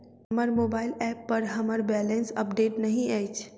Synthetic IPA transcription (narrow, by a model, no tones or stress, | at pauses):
məɾmoːbaːɪlɛːpːɐɾɦɐməɾbɛːlẽnsɐ̰p̚ɖeːʈnɐɦĩaːjt͡ʃʰ